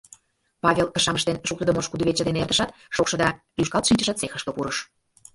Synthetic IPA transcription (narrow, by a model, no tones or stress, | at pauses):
pɑβʲelə̆ʃɑməʃt̪enʃuk̚t̪ə̆d̪əmoʃkud̪uβet͡ɕə̆d̪eneerd̪əʃɑt̪ | ʃokʃɤ̆d̪ɑ | lyʃkɑlˠt̪ʃinʲt͡ɕə̆ʃət̪t͡sexə̆ʃkə̆puɾəʃ